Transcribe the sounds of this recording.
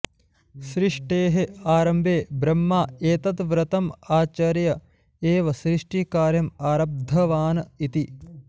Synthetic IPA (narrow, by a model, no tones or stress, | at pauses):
sɾiʂʈeːɦeaːɾɐmbʱeːbɾɐmːaːeːt̪ɐt̪ʋɾɐt̪ɐmaːt͡ʃɐɾjɐ | eːʋɐsɾiʂʈikaːɾjɐmaːɾɐb̚d̪ʱɐʋaːnɐit̪i